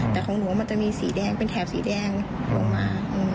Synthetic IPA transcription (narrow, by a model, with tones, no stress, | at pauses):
t̪ɛː˨˩kʰɔː˨˦ŋlu˨˦wma˧nt͡ɕa˧˩ʔmiː˧sḭː˨˩˦dɛː˧˩ŋpe˧nt̪ʰɛː˧˩p̚sḭː˨˦dɛː˧˩ŋlo̰˧ŋmaː˧˩ʔɯː˧˩m